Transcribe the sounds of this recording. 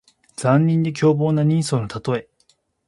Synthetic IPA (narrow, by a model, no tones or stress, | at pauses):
d͡zãɲːĩnd̪e̞k̬ʲo̞ːbo̞ːnaɲ̟ĩɰ̃so̞ːnot̪at̪o̞e̞